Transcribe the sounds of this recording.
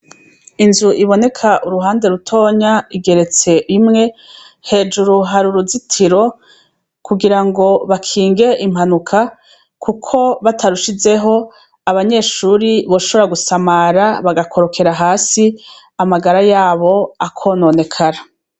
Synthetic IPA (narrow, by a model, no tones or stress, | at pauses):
inzuʔiβo̞ne̞kʰaʔuɾuɦaːnde̞ɾutʰo̞ːɲaiɡe̞ɾe̞t͡se̞ʔimŋe̞ | he̞ːd͡ʒuɾuɦaɾuɾuzitʰiɾo̞ | kuɡiɾaŋɡo̞βakʰiːŋɡe̞ʔim̥hanukʰa | kʰukʰo̞βatʰaɾuʃize̞ɦo̞ | aβaɲe̞ːʃuːɾiβo̞ʃoβaɡusamaːɾaβaɡakʰo̞ɾo̞kʰe̞ɾaɦaːsi | amaɡaɾajaːβo̞akʰo̞ːno̞ːne̞kʰaɾa